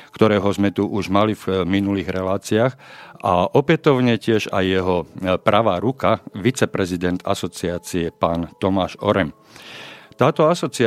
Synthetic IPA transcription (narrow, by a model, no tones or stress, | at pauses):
kt̪ɔɾɛːɦɔzmɛt̪uʔuʒmalivminuliːɣɾɛlaːt͡siaːxʔaʔɔpɛt̪ɔʊɲɛcɪɛʒajːɛɦɔpɾʔaʋaːɾukaʋit͡sɛpɾɛzid̪ɛnd̪a̰sɔt͡siaːt͡siɛpaːnt̪ɔmaːʒɔ̰ɾɛm | t̪aːt̪ɔasɔt͡si